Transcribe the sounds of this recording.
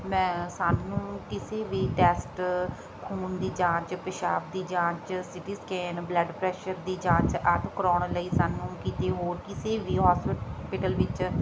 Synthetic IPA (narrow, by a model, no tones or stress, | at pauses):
mɛ̃ːsaːnːũːkɪseːʋiːʈɛːsʈ | kʰuːnd̪iːd͡ʒãːt͡ʃpəʃaːp̚d̪iːd͡ʒãːt͡ʃsɪʈiːskɛːnbləɖpɾɛːʃəɾd̪iːd͡ʒãːt͡ʃət̪kəɾɔːɳləiːsaːnːũːkiːt̪eːɦoːɾkɪseːʋiːɦɔːsɪpɪʈəlʋɪt͡ʃ